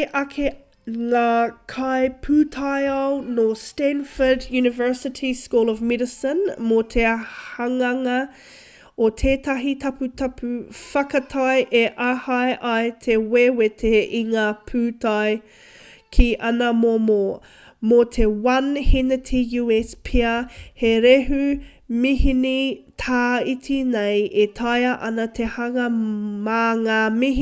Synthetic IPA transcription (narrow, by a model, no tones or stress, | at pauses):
ʔɐkʰe | ŋaːkʰɐjpʰʉːtʰajɐwnostɛ̃nfədjʉːnɪvɜ˞sɪtʰiskuːlˠɔvmɛdəsənmot̪ʰehɐŋɐŋɐ | ot̪ʰeːtɐɦit̪ʰɐpʉtʰɐpʰʉfɐkɐtʰɐjʔeʔahɐjʔɐjt̪ʰewewetʰeiŋaːpʰʉːtaj | kʰiʔɐnɐmoo | mot̪ʰewɐnhinətʰejuːespʰiɐheɾeɦʉ | mihinitʰaːitʰinejetʰajɐʔɐnɐt̪ʰehɐŋɐmaːŋaːmiɦ